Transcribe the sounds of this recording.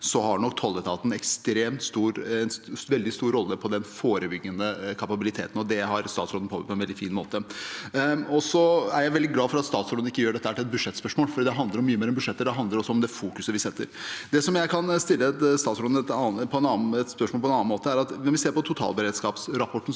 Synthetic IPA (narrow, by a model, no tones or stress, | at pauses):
sɔhɑɳɔkːt̪ʰɔlːət̪ʰɑːt̪n̩ɛkst̪ɾeːmt̪st̪uːɾɛnʋɛld̪ɪst̪uːɾɔlːəpʰɔd̪ɛnfoːɾəbʏɡːənəkʰɑpɑbɪlɪt̪ʰḛːt̪n̩ɔd̪ɛɦɑɾst̪ɑ̰ːt̪sɾɔd̪n̩pʰob̰tpʰɔɛnʋɛld̪ɪfiːnmo̰ːt̪ə | ɔsɔæɾjæɪʋɛld̪ɪɡlɑːfɔɾɑt̪st̪ɑːt̪sɾɔd̪n̩ɪkːəjøːɖɛt̪ːəhæːʈɪɛt̪̚bʉdʂɛt̪ːspœʂmoːlfɔid̪ɛɦɑnd̪əɾɔmːyːəmeːɾɛnbʉʂɛt̪ːəɖ̪ɛɦɑnd̪ləɾɔsːɔɔmd̪ɛfuːkʉsəʋɪsɛt̪ːə̰ɾd̪ɛsɔmjæɪkʰɑnst̪ɪlːəɛt̪st̪ɑːt̪sɾɔd̪ɛt̪ɑpʰɔɛnɑːɛt̪spœʂmoːlpɔɛnɑːnmoːt̪əæɾɑt̪ʋɛnʋɪseːɾpɔt̪ʰʊt̪ʰɑ̰lbəɾeːd̪skɑːpsɾɑpʰɔʈːn̩